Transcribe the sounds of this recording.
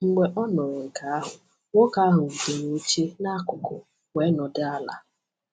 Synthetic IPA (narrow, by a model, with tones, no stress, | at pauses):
ŋ͡m̩˦ɡ͡be˦ʔɔ˦nɔ˨ɾʊ˨ŋ̩˨ka˨˦a˦ɦʊ˨ | ŋo˦ka˦a˦ɦʊ˨u˨ke˨no˦t͡ʃe˦na˦a˦kʊ˨kʊ̰˨ | wʷe˨˦nɔ˨dɪ˦a˦la̰˨